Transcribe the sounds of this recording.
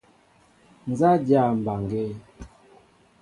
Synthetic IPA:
n˨za˦dja˦˨m˨ba˨ŋɡe˦

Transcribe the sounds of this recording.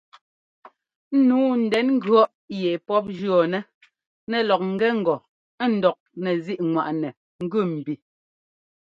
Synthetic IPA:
n̩˦nuː˨˦n̩˨dɛ˨˦nŋ̩˦ɡɰɔ˦ʔ | jɛ˨pɔ˦p̬̚d͡ʒɰɔ˨nɛ˦ | nɛ˨lɔ˨k̚ŋ̩˨ɡɛ˦ŋ̩˨ɡɔ˨ | ɛ˦n̩˨dɔ˨k̚nɛ˨zi˦ʔŋwa˨ʔnɛ˨ | ŋ̩˦ɡʉ˦˨m̩˨bi˨

